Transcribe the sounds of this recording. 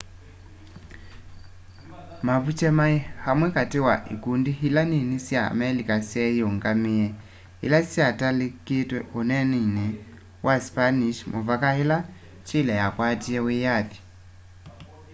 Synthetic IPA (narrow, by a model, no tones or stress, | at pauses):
mavut͡ʃɛmaihamwɛkatiwaʔḭkundiɦilaninisja̰mɛlikasjɛjɔŋɡamiɛ | ḭlasjatalikitwɛʔunɛninɛ | waspaniʃmʔuvakaila | t͡ʃilɛjakwatiɛwijaθi̥